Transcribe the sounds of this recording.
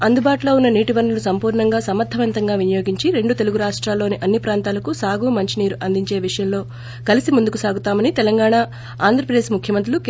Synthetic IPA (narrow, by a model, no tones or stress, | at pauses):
ɐnd̪ubaːʈulo̞ːunːɐniːʈiʋɐɾnɐlusɐmpuːɾɳɐŋɡaːsɐmːɐd̪ʱːɐʋɐnt̪ɐŋɡaːʋinɐjo̞ːɡiɲt͡ʃiɾe̞ɳɖut̪e̞luɡuɾaːʂʈɾaːlːo̞ːniʔɐnːipɾaːnt̪aːlɐkusaːɡumɐɲt͡ʃiniːɾuʔɐnd̪iɲt͡ʃe̞ːʋiʂɐjɐmlo̞ː | kɐlisimund̪ukusaːɡut̪aːmɐnit̪ɛlɐŋɡaːɳa | aːnd̪ʱɾɐpɾɐd̪eːʂmukʰjɐmɐnt̪ɾiluk